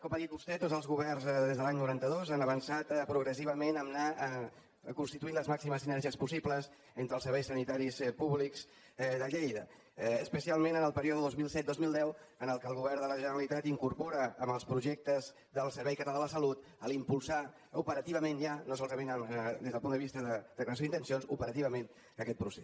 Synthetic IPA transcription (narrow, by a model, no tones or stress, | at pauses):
kɔmaðit̪̚bust̪ɛt̪ozəlˠzɣuβɛrnzd̪ezðəlaɲnuɾant̪əðozanəβənsat̪pɾuɣɾəs̬iβ̞əmenəmna | kunst̪it̪uinləzmaksiməsinəɾʒiəspusipləz | ent̪ɾəlˠsəɾβɛjsənit̪aɾispuβlikz̥ | ðəʎejðə | əspəsialˠmenənəlˠpəɾioðəðəðozmilˠsɛt̪̚d̪ozmilˠd̪ɛwənəlˠkəlˠɣuβɛrðələʒənəɾəlit̪at̪iŋkuɾpoɾəəmbəlˠspɾuʒɛk̚t̪əz | d̪əlˠsəɾβɛjkət̪əalaləsəlut̪ | əlimpulˠsa | upəɾət̪iβəmenʒanosɔlˠzəmenəmd̪ezðəlˠpunəβist̪əðəd̪əkləəs̬oint̪ənsionsupəɾət̪iβəmen | əkɛt̪pɾuse